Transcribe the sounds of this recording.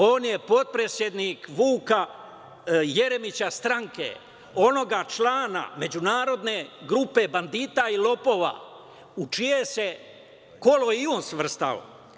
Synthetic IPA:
o̞ːnje̞po̞d̪̚pɾe̞sje̞d̪niːkʋuːka | jeɾe̞mit͡ɕast̪ɾaŋkḛ | o̞no̞ɡat͡ʃlaːna̰me̞d͡ʑunaːɾo̞d̪ne̞ɡɾupe̞band̪iːt̪ailo̞po̞ːʋa̰ː | ut͡ʃije̞se | ko̞lo̞ionsʋr̩st̪a̰lo̰

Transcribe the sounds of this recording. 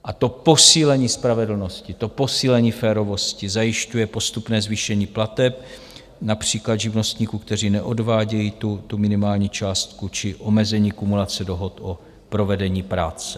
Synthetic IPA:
ʔat̪o̞po̞siːlɛɲiːspɾavɛdl̩no̞scɪt̪o̞po̞siːlɛɲiːfɛːɾo̞vo̞scɪzajɪʃcujɛpo̞st̪upnɛːzviːʃɛɲiːplat̪ɛp̚ | napr̝̥iːklad̪ʒɪvno̞st̪ɲiːkuːkt̪ɛriːnɛʔodvaːɟɛjit̪ut̪umɪnɪmaːlɲiːt͡ʃaːst̪kut͡ʃɪʔo̞mɛzɛɲiːkumulat͡sɛdo̞ɦo̞t̪ʔo | pɾo̞vɛdɛɲiːpɾaːt͡sɛ̥

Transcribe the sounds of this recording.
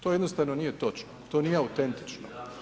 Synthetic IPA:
t̪ojed̪nost̪aʋnonije̞t̪o̞t͡ʃnot̪o̞ːniːjeaut̪e̞nt̪i̥t͡ʃno

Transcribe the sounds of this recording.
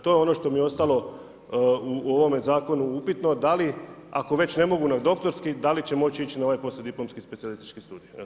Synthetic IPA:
t̪o̞jeo̞no̞ʃt̪o̞mijeo̞st̪alˠo̞ | uoʋo̞mezaːko̞nuupit̪no̞d̪alia̰ko̞ʋe̞t͡ɕne̞mo̞ɡunad̪o̞kt̪o̞ɾskid̪alit͡ɕe̞mo̞t͡ɕiit͡ɕinaoʋajpo̞sed̪iplo̞mskispet̪sialist̪i̥t͡ʃkist̪uːd̪ija

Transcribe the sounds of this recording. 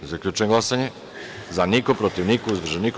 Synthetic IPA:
zakʎʲut͡ʃenɡlasaɲe | zanikopɾot̪iʋnikuuzbr̩ʒenik

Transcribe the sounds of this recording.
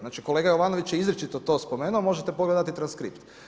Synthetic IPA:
naːt͡ʃiko̞le̞ːɡajo̞ʋano̞ʋit͡ʃjeizɾet͡ʃit̪ot̪o̞spo̞meːnuomo̞ʒet̪epoɡled̪at̪it̪ɾanskɾḭpt̪

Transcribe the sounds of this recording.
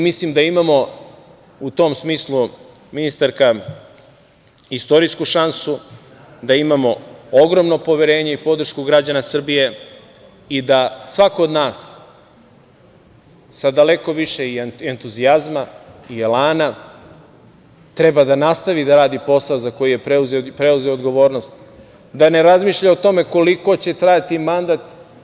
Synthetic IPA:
mislimd̪aimamo̞ | ut̪o̞ːmsmiːslˠu | minist̪aɾka | ist̪o̞ɾiskuʃansu | d̪aimamo̞oɡɾo̞mno̞po̞ʋeɾe̞ːɲeipo̞d̪r̩ʃkuɡɾad͡ʑanasr̩bije̞ | id̪asʋako̞od̪naːs | sad̪ale̞ko̞ʋiʃe̞ient̪uziazmaielaːna | t̪ɾe̞bad̪anast̪aʋid̪aɾaːd̪ipo̞saozako̞jije̞pzpɾeuze̞oːd̪ɡo̞ʋo̞ːɾno̞st̪ | d̪ane̞ɾazmiːʃʎaot̪o̞me̞ko̞liko̞t͡ɕe̞t̪ɾajat̪imand̪at̪

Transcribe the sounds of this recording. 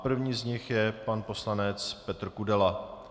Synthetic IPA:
pr̩vɲiːzɲɪxjɛpanpo̞slanɛt͡spɛt̪r̩kudɛla

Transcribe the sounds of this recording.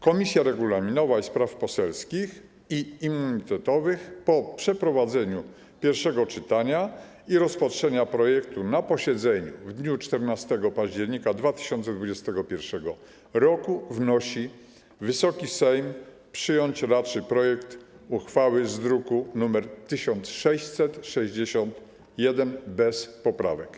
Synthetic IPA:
kɔmʲisʲjaɾɛɡulamʲinɔvaispɾafpɔsɛlskʲix | iimːuɲit̪ɛt̪ɔvɘxpɔpʂɛpɾɔvad̪zɛɲu | pʲjɛɾfʂɛɡɔt͡ʂɘt̪aɲa | iɾɔspatʂɛɲapɾɔjɛkt̪unapɔɕɛd̪zɛɲuvd̪ɲut͡ʂt̪ɛɾnast̪ɛɡɔpaʑd͡ʑɛɾɲikad̪vat̪ɘ̥ɕɔnt̪sɛd̪vud͡ʑɛst̪ɛɡɔpʲjɛɾfʂɛɡɔ | ɾɔkuvnɔɕi | vɘsɔkʲisɛjm | pʂɘjɔɲt͡ɕɾatt͡ʂɘpɾɔjɛkt̪ | uxfawɘzd̪ɾukunumɛɾt̪ɘɕɔnt̪sʂɛɕt͡ɕsɛt̪ʂɛʑd͡ʑeɕɔnt̪ | jɛd̪ɛnbɛspɔpɾa̰vɛk

